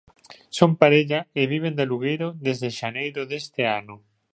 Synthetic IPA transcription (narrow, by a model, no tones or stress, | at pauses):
sompaɾeʎaeβ̞iβ̞end̪eluɣejɾoðezðeʃanejɾoðest̪eano